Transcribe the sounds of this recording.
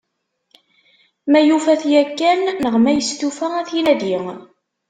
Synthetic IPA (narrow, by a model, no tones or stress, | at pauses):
mæjufæθjækːænːəʁmæjəst̪ufææθjinæd̪iŋ